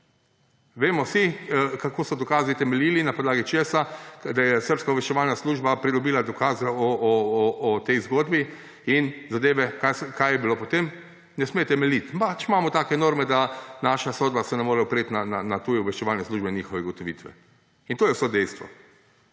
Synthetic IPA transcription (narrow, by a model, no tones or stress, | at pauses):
ʋeːmɔsikakoːsɔd̪ɔkaːzit̪ɛmɛliːlinapɔd̪laːɡit͡ʃeːsad̪ajɛsəɾpskauʋɛʃt͡ʃɛʋaːlnasluːʒbapɾid̪ɔbiːlad̪ɔkaːzɛɔɔːt̪ɛjzɡoːd̪bi | inzad̪eːʋɛkaskajɛbilopɔt̪em | nɛsmet̪ɛmɛlit̪pat͡ʃimaːmɔt̪aːkɛnoːɾmɛd̪anaːʃasoːd̪basɛnɛmoːɾɛupɾet̪nananat̪ujɛuʋɛʃt͡ʃɛʋaːlnɛsluːʒbɛnɲiːxɔʋɛɡot̪ɔʋḭːt̪ʋɛ̰ | int̪oːjɛwsod̪ɛjst̪ʋɔ̰